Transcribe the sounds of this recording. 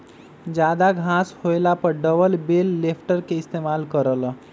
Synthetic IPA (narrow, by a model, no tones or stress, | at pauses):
d͡ʒad̪aɡʱãshojlapəɾɖəbəlbelːepʰʈəɾkeist̪emalkəɾəl